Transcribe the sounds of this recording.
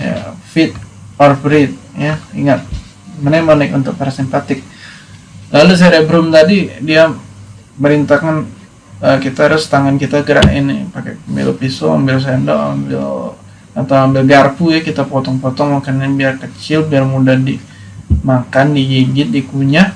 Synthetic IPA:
ja̰fɪt̪̚ | ɔrfɾɪt̪̚jaḭŋat̪̚ | manak̚manaɪkṵnt̪ʊk̚paɾasimpat̪ɪk̚ | lalus̬ɾebəɾʊmt̪adidia | məɾint̪akan | əkit̪aɾʊst̪aŋankit̪aɡəɾa̰ʔḭn̰pakɛ̰mbɪ̰lpisoa̰mbɪls̬ɛndɔ̰a̰mbɪ̰l | at̪awambɪlɡarpujakit̪apɔt̪ɔŋpɔt̪ɔŋmakanɲabiarkət͡ʃɪlbiarmudahdi | makandijiɡɪt̪̚dikuɲa

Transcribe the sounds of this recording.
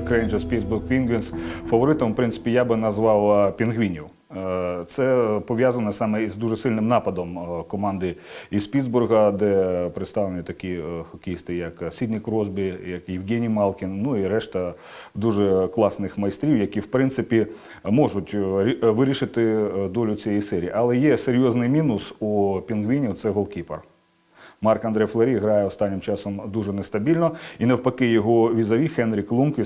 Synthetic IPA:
kɾɛnd͡ʒɐspʲid̪zburɣpʲinɡʋʲinsfɐʋɔɾɪt̪ɔmpɾɪnsɪ̥pʲijabɪnɐzʋɑwpʲinɣʋʲinʲiw | t̪sɛpɔʋʲjazɐnɐsɑmɛizd̪uʐɛsɪlʲnɪmnɑpɐd̪ɔmkɔmɑnd̪ɪispʲid̪zburɦɐd̪ɛpɾɪt̪st̪ɑʋlˠenʲit̪ɐkʲixɔkʲist̪ɪjɐksʲid̪ʲnʲikɾɔzbʲɪjɐkjɪwɡʲɛnʲijmɑlˠkʲinːuiɾɛʃt̪ɐ | d̪uʐɛklˠɑsnɪxmɐjst̪ɾʲiwjɐkʲiwpɾɪnt̪sɪpʲi | mɔʒʊtʲʋɪɾʲiʃɪt̪ɪd̪ɔlʲʊt͡sʲijɛjsɛɾʲḭːʔɐlˠɛjɛseɾʲjɔznɪjmʲinʊsupʲinɡʋʲinʲit̪sɛɦɔlˠkʲipɐr | mɑrkɐnd̪ɾɛjflˠeɾʲiɦɾɑjɛɔst̪ɑnʲːɪmt͡ʃɑsɔmd̪uʒɛnest̪ɐbʲilʲnɔinewpɐkɪjɔɦɔʋʲizɐʋʲixɛnɾʲɪklˠunkʲɪ

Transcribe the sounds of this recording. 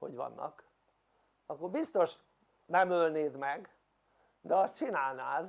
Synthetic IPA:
ho̞̰ɟʋɒ̰nːʔɒ̰k | ɒkːorbist̪o̞ʃ | nɛmølneːd̪mɛɡ | d̪ɛɒst̪t͡ʃinaːlnaːl

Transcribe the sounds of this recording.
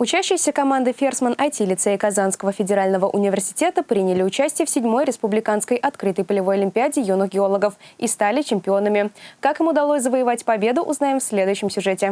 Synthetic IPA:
ʊt͡ɕæɕːɪjəsʲəkɐmand̪ɨfʲersmənʔɐtʲilʲɪt̪sɛɪkɐzanskəvəfʲɪdʲɪɾalʲnəvəʔʊnʲɪvʲɪrsʲɪ̥tʲe̞t̪əpɾʲinʲɪlʲɪʊt͡ɕæsʲtʲɪjəfsʲɪdʲmo̞jɾʲɪspʊblʲɪkanskəjʔɐt̪kɾɨt̪əjpəlʲɪvo̞jɐlʲɪmʲpʲɪadʲɪjunəxɡʲɪo̞lˠəɡəfist̪alʲɪt͡ɕɪmʲpʲɪo̞nəmʲɪkakɪmʊd̪ɐlˠosʲzəvəjɪvatʲpɐbʲe̞d̪ʊʔʊznajɪmfsʲlʲe̞d̪ʊjʉɕːɪmsʲʊʐɛtʲɪ

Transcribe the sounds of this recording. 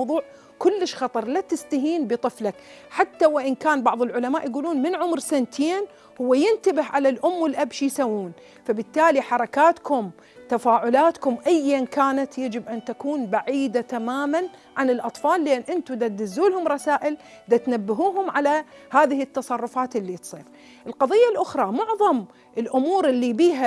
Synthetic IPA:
ðˤuːʕ | kʊlːɪʃxɑt̪ˤɑɾˤlat̪ɪst̪aɦiːnbɨt̪ˤɨflak | ħat̪ːawɪʔɪnkaːnbɑʕðˤɪlʕʊlamaːʔjɡuːluːnmɪnʕʊmɾsant̪ʰeːn | hʊwːajɪnt̪abɪhʕalalʔʊmːwɪlʔabʃijsawːuːn | fabɪt̪ːaːliħɑɾˤɑkaːt̪kʊm | t̪afaːʕʊlaːt̪kʊmʔajːankaːnat̪jad͡ʒɪbʔant̪akuːnbaʕiːd̪at̪amaːmanʕanɪlʔɑt̪ˤfɑːlːeːnʔɪnt̪ʊd̪at̪d̪ɪzːuːlhʊmɾˤɑsaːʔɪl | d̪at̪nabːaɦuːɦʊmʕalahaːðɪhɪt̪ːɑsˤɑrˤːʊfaːt̪ɪlːit̪sˤiːf | ʔɪlqɑðˤɨjːalʔʊxɾˤɑmʊʕðˤɑm | ɪlʔʊmuːɾʔɪlːibiːɦa

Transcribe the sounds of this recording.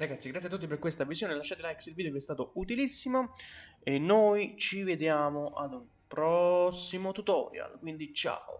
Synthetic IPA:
ɾaɡat̪sːiɡɾat̪siat̪ːut̪ːiperkwest̪avizjoːnelat͡ʃːɛt̪elajksilvid̪eovɛst̪aːt̪out̪ilisːimo | enːojt͡ʃived̪jaːmoʔad̪um | pɾɔsːimot̪ut̪ɔ̰ːɾj̰a̰lkwind̪it͡ʃa̰o̰

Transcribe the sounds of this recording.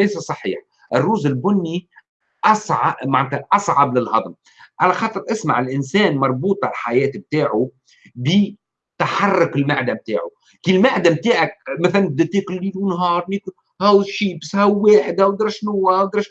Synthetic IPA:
lejsæsˤɑħḭːħ | ʔɪrːuːzɪlbʊnːi | ʔɑsˤʕmaʕnt̪aʔɑsˤʕɑblɪlhɑd̪ˤm | ʕalæxɑːt̪ˤɨɾˤʔɪsmaʕɪlʔɪnsɛːnmɑɾˤbuːt̪ˤalħajɛːt̪b̚t̪aːʕu | bi | t̪aħɑrˤːʊkɪlmaʕd̪amt̪a̰ːʕu | kiːlmaʕd̪amt̪aːʕak̚mæθælænb̚d̪æt̪eːkʊlːiːlunɦɑːɾˤnikʊ | hæwʃiːbæsːhæwwːeːħd̪awd̪ɑɾˤʃnʊwæwd̪ɑɾˤʃ

